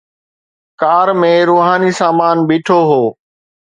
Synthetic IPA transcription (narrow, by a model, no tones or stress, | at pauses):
kaːɾmẽɾuːɦaːnisaːmaːnbiːʈʰoɦoː